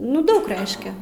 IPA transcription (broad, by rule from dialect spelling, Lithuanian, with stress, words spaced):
ˈnʊ ˈdɐʊk ˈrʲɛɪʃʲkʲɛ